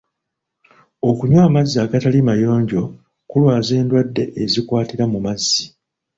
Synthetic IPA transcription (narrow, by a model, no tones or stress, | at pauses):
o̞kuɲwaːmazːiaɡatalimajo̞ːɲɟo̞ | kulwaːze̞ːndwadːe̞̰ʔezikwaːtiɾamumazːi